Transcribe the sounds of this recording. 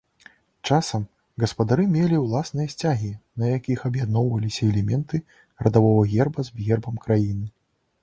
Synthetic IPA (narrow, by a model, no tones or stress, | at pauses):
t͡ʂasɐm | ɣɐspɐd̪aɾɨmʲelʲiwlˠasnɨjɐsʲt͡sʲaɣʲinɐjakʲixɐbjad̪nɔwvɐlʲisʲɐɛlʲɛmʲɛnt̪ɨ | rɐd̪avɔvɐɣʲɛrbɐzbɣʲɛrbɐmkɾajinɨ